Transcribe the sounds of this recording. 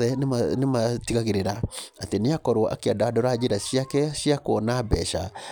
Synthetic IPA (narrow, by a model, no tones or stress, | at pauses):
ðɛnemanematiɣaɣeɾeɾaateneakɔɾwʔa̰keadaadɔɾad͡ʑeɾaʃiakɛʃiakoɔnabɛ̰ʃa